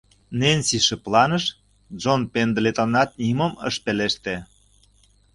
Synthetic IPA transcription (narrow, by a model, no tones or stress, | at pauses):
nenʲsiʃĕplɑnəʃ | ʒonpend̪let̪onɑt̪̚nʲiməmə̰ʃpeleʃt̪e